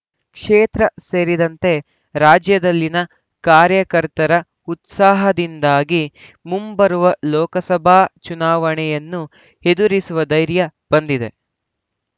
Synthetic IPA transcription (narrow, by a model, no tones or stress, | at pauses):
kʂeːt̪ɾɐse̞ːɾid̪ɐnt̪e̞ | ɾaːd͡ʒjɐd̪ɐlːinɐ | kaːɾjɐkɐɾt̪ɐɾɐ | ut̪saːɦɐd̪ind̪aːɡi | mumbɐɾuʋɐlɔːkɐsɐbʱaːt͡ʃunaːʋɐɳɛjɐnːu | hed̪uɾisuʋɐd̪ɐjɾjɐb̥ɐnd̪id̪e̞